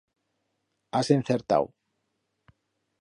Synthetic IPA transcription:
asen̟θeɾt̪a̰w

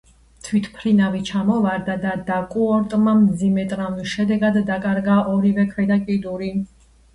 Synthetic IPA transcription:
t̪ʰwit̪ʰpʰɾinavit͡ʃʰamɔvaɾd̪ad̪ad̪akʼuɔɾt̪ʼmamd̪zimɛt̪ʼɾaviʃɛd̪ɛɡad̪ːakʼaɾɡaʔɔɾivɛkʰvɛd̪akʼid̪uɾi

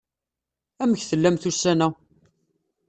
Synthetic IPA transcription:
æməçθəlːæmθusːænæ

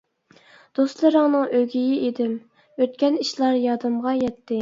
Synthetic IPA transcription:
d̪̥ost̪lˠɨɾəŋnɨŋøɡʲijɪʔed̪ɪm | øt̪̚kʲɛniʃlˠɑɾjɑd̪ɨmʁɑjɛt̪ʰːɪ

